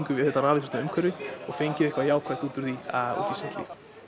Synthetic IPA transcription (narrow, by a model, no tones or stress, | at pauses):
ŋkʏvɪðɛt̪aɾaːvɪθɪ̥t̪naʏmkʰœɾvɪɔɣfejɲcɪðɪhkvajaːwkʰvajt̪uːt̪ʏɾðiaṵːt̪isɛn̥t̪lḭːf